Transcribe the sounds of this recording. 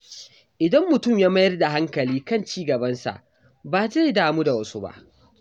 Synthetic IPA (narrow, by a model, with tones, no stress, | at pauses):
ʔɪ˨dɐ˦mːʊ˨tʊ˦˨mjaː˦mɐ˦jɐ˦rda˨ɦa˦ŋkɐ˨liː˦kɐ˦˨nt͡ʃiː˦ɡɐ˨bɐ˦nsa̰˨ʔ | baː˨za˦jdaː˨muː˦da˨wɐ˦su˦ba̰˦ʔ